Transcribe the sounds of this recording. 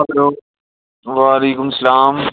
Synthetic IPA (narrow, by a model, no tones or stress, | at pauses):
kloː | ʋaːɐleːkʊmsɐlaːm